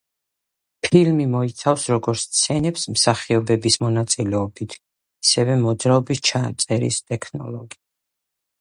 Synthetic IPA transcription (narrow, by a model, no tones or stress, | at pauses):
pʰilmimɔit̪sʰafsɾɔɡɔɾt̪st̪sʰɛnɛpsmsaχiɔbɛbismɔnat̪sʼilɛɔbit̪ʰ | asɛvɛmɔd̪zɾaɔbist͡ʃʰat̪sʼɛɾḭst̪ʼɛkʰnɔ̰lɔɡi̥